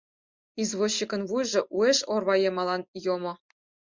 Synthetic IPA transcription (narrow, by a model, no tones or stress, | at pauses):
izʋoɕːikɤ̆nvujʐɤ̆ʔuĕʂorʋɑjemɑlˠɑnjomɤ̆